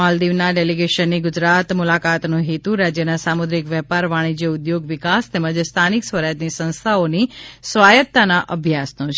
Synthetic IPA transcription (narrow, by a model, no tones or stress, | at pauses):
ald̪iʋnaɖeliɡeʃənːiɡʊd͡ʒɾat̪mʊlakat̪nũɦit̪ũɾad͡ʒjənasamud̪ɾikʋjɛpaɾʋaɽ̃id͡ʒeʊd̪joɡʋɪkast̪eməd͡ʒst̪ʰaniksʋəɾajət̪nisə̃nst̪ʰaonisʋajət̪ːanaʔəbʱjasnõt͡ʃʰ